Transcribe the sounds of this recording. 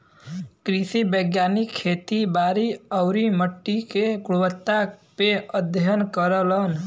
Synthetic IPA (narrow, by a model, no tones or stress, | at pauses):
kɾisibəɡjanikʰːet̪ibaɾiəʊɾiməʈːikeɡuɽwət̪ːapeəd̪ʱjənkəɾələn